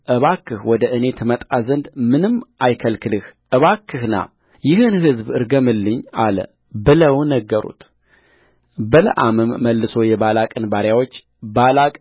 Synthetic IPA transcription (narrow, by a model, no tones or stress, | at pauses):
ʔɨβakʰːɨhwɔd̪əʔɨne̞t̪ʰmət̪ʼazənd̪mɨnɨmːʔajkʰəlkʰɨlɨhʔɨβakʰːɨhna̰ | jɪɦɨnhɨzbɨɾɡəmɨlːɨɲːalə̰ | bɨləwnəɡːəɾṵt̪ʰ | bələ̰ʔamɨmːəlːɨso̞jɛβalakʼɨnbaɾjawo̞t͡ʃː | balakʼ